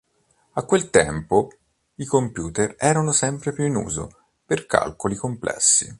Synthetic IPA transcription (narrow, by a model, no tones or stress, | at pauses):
akːwelt̪ɛmpo | ikompjuːt̪erɛːɾanosɛmpɾepjuinṵːzo̰ | perka̰lkolikomplʔɛ̰sːḭ